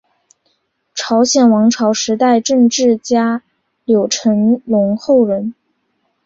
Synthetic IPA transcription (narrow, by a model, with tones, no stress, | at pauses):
ʈ͡ʂʰɑ˧˥ʊɕjɛ˨˩nwɑ˧˥ŋʈ͡ʂʰɑ˧˥ʊʂɻ̩˧˥t̪a˥˧ɪʈ͡ʂɤ˥˧ŋʈ͡ʂɻ̩˥˩t͡ɕja˥ | ljo˨˩ʊʈ͡ʂʰə˧˥ŋlʊ˧˥ŋxo˥˩ʊɻə˧˥n